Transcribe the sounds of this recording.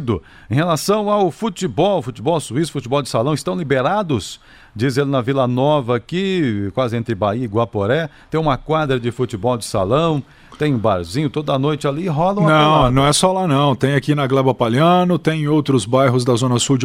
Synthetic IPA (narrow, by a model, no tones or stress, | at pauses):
d̪ʊ | ẽhelasɐ̃w̃awfut͡ʃibɔwfut͡ʃɪbɔwsuisʊ̥fut͡ʃɪbɔwd͡ʒɪsalɐ̃w̃ɪst̪ɐ̃w̃libeɾad̪ʊs | d͡ʒizelɪnɐvilɐnɔvɐkɪkwazɪẽnt̪ɾɪbaiɐɪɡwapoɾɛt̪ẽj̃ũmɐkwad̪ɾɐd͡ʒɪfut͡ʃɪbɔwd͡ʒɪsa̰lɐ̃w̃ | t̪ẽj̃ʊ̃baɾzĩɲʊt̪od̪ɐanojt͡ʃɪaliɦɔlɐ̃wñɐ̃w̃nɐ̃w̃ɛsɔlanɐ̃w̃t̪ẽj̃akinɐɡlɛbɐpaliɐ̃nʊt̪ẽj̃owt̪ɾʊzbajɦʊzd̪ɐzõnɐsud͡ʒ